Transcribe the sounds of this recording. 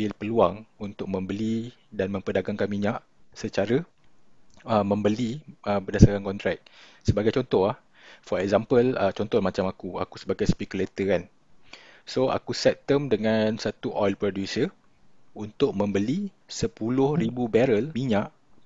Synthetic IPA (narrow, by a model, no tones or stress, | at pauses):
bɪlpəluaŋunt̪ʊk̚mə̃mbəli | danmə̃mpədaɡaŋkanmiɲaʔ | sət͡ʃaɾə | əmə̃mbəliəbərdasaɾankɔnt̪ɾɛk̚ | səbaɡajt͡ʃɔnt̪ɔhlah | fɔɾɛk̚zampələt͡ʃɔnt̪ɔmat͡ʃamakua̰kusəbaɡajspɛkjulet̪əkan | soa̰kusɛp̚t̪əmdəŋãnsat̪uʔɔjlpɾodjusə | unt̪ʊʔ̚mə̃mbəli | səpulʊhribubɛɾəlmiɲãʔ